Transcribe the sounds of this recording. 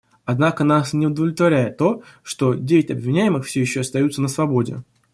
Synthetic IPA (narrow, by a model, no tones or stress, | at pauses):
ɐd̪nakənasnʲɪʊd̪əvlʲɪt̪vɐɾʲæjɪt̪ːo̞ʂt̪o̞dʲevʲɪtʲɐbvʲɪnʲæjɪmɨxfsʲɵjɪɕːoɐst̪ɐjut̪sənəsvɐbo̞dʲɪ̰